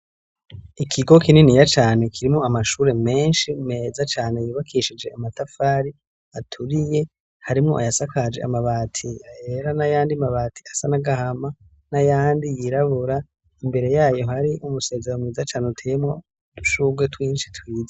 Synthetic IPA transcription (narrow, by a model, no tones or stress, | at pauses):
ikʰiɡo̞kininijat͡ʃaːne̞kʰiɾimŋoamaʃuːɾe̞me̞ːnʃime̞ːzat͡ʃaːne̞jiβakʰiʃid͡ʒe̞amatafaːɾi | atʰuɾije̞ | haɾimŋo̞ʔa̰jasakʰad͡ʒe̞̰a̰maβaːtʰiaje̞ɾanajaːndimaβaːtʰi̥asanaɡahama | najaːndijiɾaβuɾa | imbe̞ɾe̞jaːjo̞ɦaɾiʔumuse̞ːze̞ɾomŋiːzat͡ʃaːneutʰeemŋo̞ | d̥uʃuːɡwe̞twiːnʃi̥twiːza